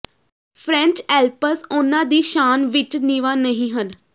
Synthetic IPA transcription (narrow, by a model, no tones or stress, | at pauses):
pʰɾɛ̃ɲt͡ʃɛːlpəsʊnãːd̪iːʃaːnʋɪt͡ʃniʋaːnəɦĩːɦən